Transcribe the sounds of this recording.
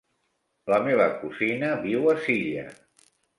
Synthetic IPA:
ləmeβ̞ə̰kuzinəβiwəsiʎə̰

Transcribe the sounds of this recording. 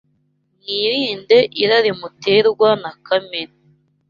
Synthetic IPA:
niɾiːndeʔiɾaɾimuteːɾɡwanakamen

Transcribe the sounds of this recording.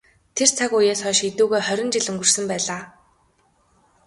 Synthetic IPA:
t̪ʰer̥t͡sʰakujeːsχœːʃet̪uːɣeːχœɾʲɪ̆nt͡ɕiɮɵŋɡɵ̆r̥sɘ̆mpæːɮaː

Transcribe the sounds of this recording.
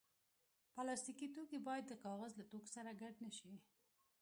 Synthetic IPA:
palɑst̪ikit̪okebɑjad̪ːəkɑɣazlat̪oksaɾaɡaɖnəʃi

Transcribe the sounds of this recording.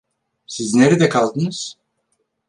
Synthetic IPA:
sizneɾid̪ɛkʰalˠd̪ɯnɯz̥

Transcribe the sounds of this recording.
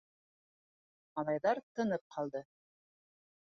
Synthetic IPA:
mɑlˠɑjðɑɾt̪ɤ̆nɤp̚qʰɑlˠd̪ɤ

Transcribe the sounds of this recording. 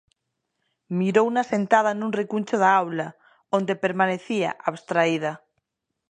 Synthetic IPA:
miɾounasẽnt̪að̞anũnrekunʲt͡ʃoðaawla | õnd̪epeɾmaneθia̰ʔaβst̪ɾaið̞a

